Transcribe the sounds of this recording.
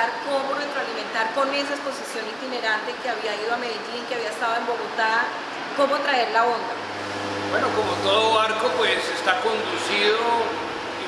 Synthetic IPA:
aɾko̞moret̪ɾoalimẽ̞nt̪aɾpo̞neesaespo̞sisjo̞nit̪ine̞ɾant̪e̞keaβiaiðoame̞ðid͡ʒinikeaβiaest̪aðoe̞mbo̞ɣo̞t̪a | ko̞mo̞t̪ɾae̞ɾlao̞nd̪a | bwenokomot̪oðoβaɾkopwesest̪ako̞nd̪usiðo

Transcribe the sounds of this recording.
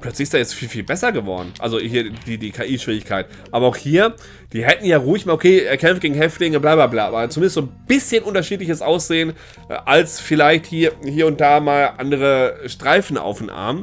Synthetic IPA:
pʰl̥œt͡slɪçɪsd̥aːjɛt͡stfiːlfiːlbɛsɐɡəvɔ̰ɐdn̩ʔa̰lzohiːɐd̥iːdiːkʰaːʔiːʃv̥iːɪçkʰaɪt | ʔaːbɐaʊxhiːɐ | d̥iːɦɛtn̩jaːʁuːɪçmaːlokʰeːɛɐkʰɛmfɡ̥eːɡŋ̩ɦɛftlɪŋəblaːblaːblaːbaːt͡sumɪndəstz̥oːnb̥ɪsçənʔʊntɐʃiːtlɪçəsʔaʊsz̥eːən | ʔalsfɪlaɪçthiːɐhiːɐʊnt̚d̥aːmaːlʔandəʁəʃtʁ̥aɪfn̩a̰ʊfdnʔa̰ɐm

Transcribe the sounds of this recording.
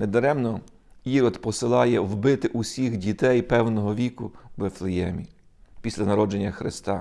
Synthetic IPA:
ned̪ɔɾɛmnɔ | iɾɔd̪pɔsɪlˠɑjɛwbɪt̪ɪʔʊsʲixdʲit̪ɛjpɛwnɔɦɔʋʲikʊʋeflˠɪjɛmʲi | pʲisʲlʲɐnɐɾɔd͡ʒe̞nʲːɐxɾɪ̰st̪ɑ

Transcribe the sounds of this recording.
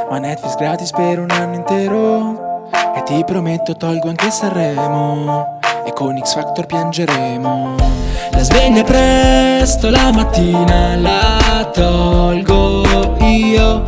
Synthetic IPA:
manːɛt̪fliksɡɾaːt̪ispeɾounanːoint̪ɛːɾo | et̪ːipɾomet̪ːot̪ɔlɡoaŋk̟esarːɛːmo | ekːoniksfakt̪orpjand͡ʒeɾɛːmo | lazveʎːapɾɛst̪olamat̪ːiːnalat̪ɔlɡoiːo

